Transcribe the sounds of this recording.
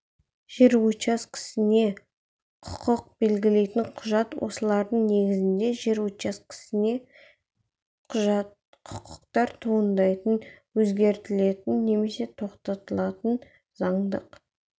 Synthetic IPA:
ʒ̥e̞ɾwut͡ʃɑskʲʰɪ̥sɪne̞ | qʰʊ̥qəq̚be̞lɡʲɪle̞jt̪ɪɴqʰʊʒɑt̪wo̞̰səlˠɑɾd̪əɴne̞ɡʲɪzɪnd̪e̞ʒe̞ɾwut͡ʃɑskʲʰɪ̥sɪne̞ | qʰʒɑ | qʰʊ̥qʰʊ̥qt̪ɑɾt̪ʰoənd̪ɑjt̪ənwɵzɡʲe̞ɾt̪ɪle̞t̪ɪnːe̞me̞se̞t̪ʰo̞qt̪ɑt̪əlˠɑt̪ən | zɑɴd̪əq

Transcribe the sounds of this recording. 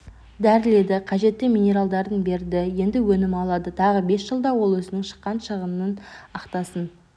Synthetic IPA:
d̪æɾɪle̞d̪ɪqʰɑʒe̞t̪ːɪmʲine̞ɾalˠd̪ɑɾənbe̞ɾd̪ɪje̞nd̪ɪwɵnɪmɑlˠɑd̪ət̪ʰɑʁəbe̞sʒ̥əlˠd̪ɑwo̞lˠɵzɪnɪŋʃə̥qːɑnʃəʁənnənɑqt̪ɑsən

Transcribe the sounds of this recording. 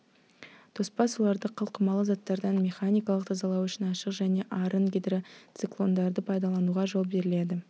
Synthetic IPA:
t̪ʰo̞spɑsolˠɑɾd̪əqʰəlˠqəmɑlˠəzɑt̪ːɑɾd̪ɑnmʲe̞χanʲijkɑlˠəq̚t̪ʰɑzɑlˠɑwʏʃɪnɑʃəqʒæne̞ʔɑɾəɴɡʲed̪ɪɾɪt̪siklˠo̞nd̪ɑɾd̪əpʰɑjd̪ɑlˠɑnuʁɑʒo̞lˠbe̞ɾɪle̞d̪ɪ

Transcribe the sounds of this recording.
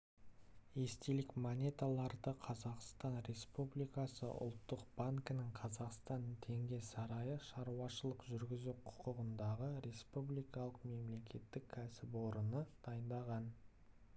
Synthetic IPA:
e̞st̪elɪkmonʲe̞t̪alˠɑɾd̪əqʰɑzɑqst̪ɑnɾe̞spublijkɑsə̰ʔʊ̰lˠt̪ːəqb̥aŋkənɪɴqʰɑzɑqst̪ɑnt̪ʰe̞ŋɡʲe̞sɑɾɑjəʃɑɾuɑʃəlˠəqʒʏɾɡʲɪzuqʰʊ̥qəʁənd̪ɑʁəɾe̞spublijkɑlˠəqme̞mle̞kʲe̞t̪ːɪkʲʰːæsɪpwo̞ɾənəd̪̥ɑjənd̪ɑʁɑn

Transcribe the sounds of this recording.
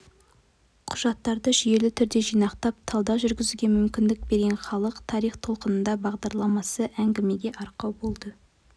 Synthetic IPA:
qʰʊʒɑt̪ːɑɾd̪əʒʏje̞lɪt̪ʰʏɾd̪e̞ʒijnɑqt̪ɑp̚t̪ʰɑlˠd̪ɑʒʏɾɡʲɪzuɡʲe̞mʏmkʲɪnd̪ɪk̚be̞ɾɡʲenχɑlˠəqt̪ʰɑɾijχt̪ʰo̞lˠqənənd̪ɑbɑʁd̪ɑɾlˠɑmɑsəʔæŋɡʲɪme̞ɡʲe̞ʔɑɾqɑwbo̞lˠd̪ə

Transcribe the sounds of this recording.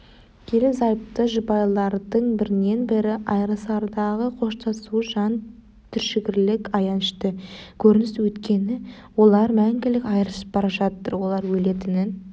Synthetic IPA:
kʲʰe̞lɪpzɑjp̚t̪əʒəbɑjlˠɑɾd̪əɴbɪɾɪne̞nbɪɾɪʔɑjɾəsɑɾd̪ɑʁəqʰo̞ʃt̪ʰɑsuʒɑn | t̪ʰʏɾʃɪɡʲɪɾlɪkɑjɑnɪʃt̪əkʲʰɵɾɪnɪswɵt̪kʲe̞nɪ | wo̞lˠɑɾmæŋɡʲɪlɪkɑjɾəʃə̥p̚b̥ɑɾɑʒɑt̪ːəɾwo̞lˠɑɾwɵle̞t̪ɪnɪn

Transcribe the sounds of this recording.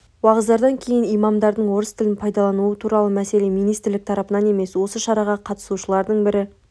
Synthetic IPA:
wɑʁəzd̪ɑɾd̪ɑŋkʲʰe̞jɪnijmɑmd̪ɑɾd̪əɴwo̞ɾəst̪ʰɪlɪnpʰɑjd̪ɑlˠɑnuət̪ʰuɾɑlˠəmæse̞le̞mijnijst̪ɪɾlɪk̚t̪ʰɑɾɑpənɑne̞me̞swo̞səʃɑɾɑʁɑqʰɑt̪ə̥suʃəlˠɑɾd̪əɴbɪɾɪ

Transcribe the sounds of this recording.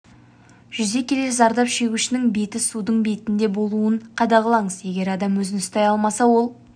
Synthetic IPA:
ʒ̥ʏze̞kʲʰe̞lezɑɾd̪ɑpʃe̞ɡʲuʃɪnɪŋbe̞t̪ɪsud̪əɴbe̞t̪ɪnd̪e̞bo̞lˠuəɴqʰɑd̪ɑʁəlˠɑɴəzje̞ɡʲe̞ɾɑd̪ɑmwɵzɪnst̪ɑjɑlˠmɑsɑwo̞lˠ

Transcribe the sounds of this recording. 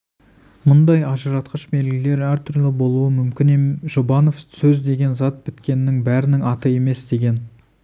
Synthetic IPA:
mʊnd̪ɑjɑʒəɾɑt̪qəʃbe̞lɡʲɪle̞ɾæɾt̪ʰʏɾlɪbo̞lˠuəmʏmkʲɪneʒobɑno̞fsɵzd̪e̞ɡʲe̞nzɑt̪̚bɪt̪kʲe̞nːɪŋbæɾɪnɪŋɑt̪əe̞me̞sd̪e̞ɡʲe̞n

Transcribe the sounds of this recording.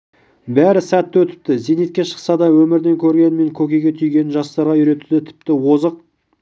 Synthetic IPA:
bæɾɪsæt̪ːwɵt̪ɪ̥p̚t̪ɪzenet̪̚kʲe̞ʃə̥qsɑd̪ɑwɵmɪɾd̪e̞ŋkʲʰɵɾɡʲe̞nɪme̞ŋkʲʰɵkʲejɡʲe̞t̪ʰyjɡʲe̞nɪnʒɑst̪ɑɾʁɑʏɾe̞t̪ud̪ɪt̪ʰɪ̥pt̪ɪwozəq̚

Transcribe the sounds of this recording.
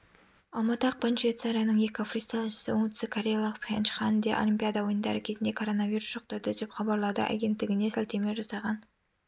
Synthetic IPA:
ɑlˠmɑt̪əɑq̚pʰonʃet̪saɾijanəɴjekʲofrist̪alˠnʃə̥səwoŋt̪sɪkʰoɾʲejalˠəqpʰenʃχɑnd̪eʔo̞̰lʲimpʲijad̪ɑwo̞jənd̪ɑ̰ɾəkʲʰe̞zɪnd̪e̞kʰo̞ɾo̞navʲiɾusʒ̥oqt̪ɑd̪əd̪e̞pχɑbɑɾlˠɑd̪ə̰ʔa̰ɡʲe̞nt̪ːɪɡʲɪne̞sælʲt̪e̞me̞ʒɑsɑʁɑn

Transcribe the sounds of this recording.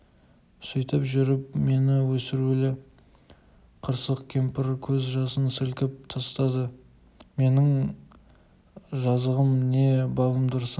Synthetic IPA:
sʊjt̪əpʒʏɾɪp̚me̞nɪwɵsɪɾulɪ | qʰəɾsəqkʲʰempɪɾkʲʰɵzʒɑsənsɪlkʲɪp̚t̪ʰɑst̪ɑd̪ə | me̞nɪŋ | ʒɑzəʁəmne̞bɑlˠəmd̪ʊɾs

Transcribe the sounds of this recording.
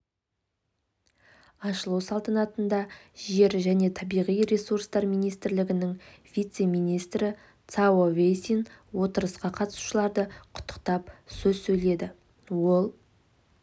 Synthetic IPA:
ɑʃəlˠəwsɑlˠt̪ənɑt̪ənd̪ɑʒe̞ɾʒæne̞t̪ʰɑbijʁijɾesuɾst̪ɑɾmijnijst̪ɪɾlɪɡʲɪnɪŋvʲijt̪se̞mijnijst̪ɾɪ | t̪sawovejsinwo̞t̪əɾəsqɑqʰɑt̪ə̥su̥ʃəlˠɑɾd̪əqʰʊ̥t̪ːə̥q̚t̪ɑpsɵzsɵjle̞d̪ɪ | wo̞lˠ

